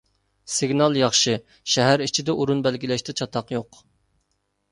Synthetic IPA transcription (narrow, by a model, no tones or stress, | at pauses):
sɪɡʲnɑlˠjɑχʃɨ | ʃɛɦæɾit͡ʃʰid̪ɛʔuɾunbælɡʲilɛʃt̪ɛt͡ʃʰɑt̪ʰɑqjoq